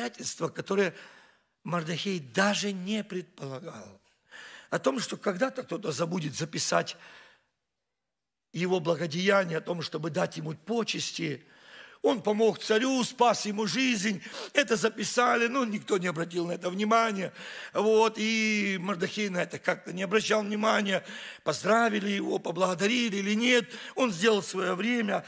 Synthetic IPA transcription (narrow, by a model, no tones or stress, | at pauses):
atʲɪlʲst̪vəkɐt̪o̞ɾɨjə | mɐrd̪ɐxʲejd̪aʐɨnʲepɾʲɪt̪̚pəlˠɐɡalˠ | ɐt̪o̞mʂt̪o̞kɐɡd̪at̪ək̚t̪o̞t̪əzɐbudʲɪt̪zəpʲɪsatʲ | jɪvo̞blˠɐɡədʲɪjanʲɪjəɐt̪o̞mʂt̪o̞bɨd̪atʲjɪmupo̞t͡ɕɪsʲtʲɪ | o̞npɐmo̞xt̪sɐɾʲuspasjɪmuʐɨzʲnʲɛt̪əzəpʲɪsalʲɪnunʲɪkt̪o̞nʲɪɐbɾɐt̬ʲilˠnɐɛt̪əvnʲɪmanʲɪjəvo̞t̪imɐrd̪ɐxʲejnɐɛt̪əkak̚t̪ənʲɪɐbɾɐɕːalˠvnʲɪmanʲɪjəpɐzd̪ɾavʲɪlʲɪjɪvo̞̰pəblˠəɣəd̪ɐɾʲilʲɪilʲɪnʲe̞t̪o̞nzʲdʲe̞lˠəlˠsvɐjo̞vɾʲemʲə